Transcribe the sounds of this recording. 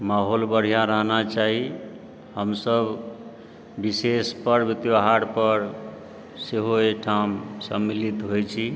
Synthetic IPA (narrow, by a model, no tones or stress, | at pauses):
maɦolbəɽ̤ijaɾəɦnat͡ʃaɦi | həmsəb | bisespəɾbit̪joɦaɽpəɾ | seɦoekʈʰamsəmːilit̪ɦojt͡ʃʰi